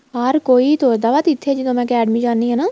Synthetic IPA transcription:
ɦəɾkoːiːt̪oːd̪aʋaːt̪ɪt̪ʰːed͡ʒɪd̪õːmɛ̃ːkɛːɖmiːd͡ʒaːnːiːɦɛːnaː

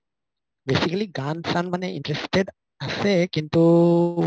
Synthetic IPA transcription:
besikaliɡãnsãnmãneĩnʈɾesʈed | asekĩntu

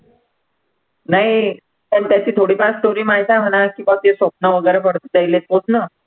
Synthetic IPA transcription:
naɦi | t̪ənt̪jat͡ɕiːt̪ʰoɽiːpast̪oɾiːmaɦjt̪am̤ənakĩʋat̪esop̚nəʋəɡəjɾepəɽt̪əd͡zajlet̪̚posnə

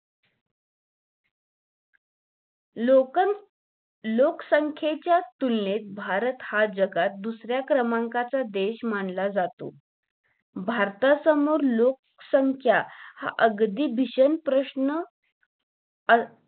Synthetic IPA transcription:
lokən | loksəŋkʰjet͡ɕjat̪ulnet̪̚bʱaɾət̪had͡zəɡat̪̚d̪usɾjakɾəmaŋkat͡sad̪eɕmaɳlad͡zat̪o̰ | bʱaɾt̪asəmoɾlok̚ | səŋkʰjaha̰ʔəɡd̪iːbʱiɕənpɾəɕnə

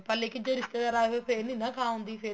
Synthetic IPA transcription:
pɐlekɪd͡ʑoɾɪst̪ed̪aːɾaːeɦoepʰeːninɐkʰaːɦũːnd̪ife

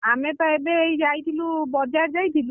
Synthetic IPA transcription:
amepaebeːjd͡ʒajt̪ʰilubɔd͡ʒaɾd͡ʒajt̪ʰilu

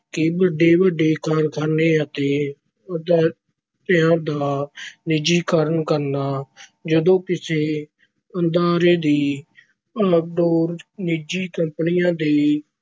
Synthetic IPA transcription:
kɪbəɖeːbəɖeːkəɾkəɾneːət̪eː | əd̪aː | t̪ɪãːd̪aːnɪd͡ʒiːkəɾənkəɾnaːd͡ʒəd̪õːkɪseː | ənd̪aːɾeːd̪iː | əɖoːɾnɪd͡ʒiːkəmpnɪjãːd̪iː

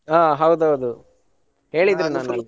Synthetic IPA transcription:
aːɦɐwd̪uɦɐwd̪u | he̞ːɭid̪ɾinaːnu

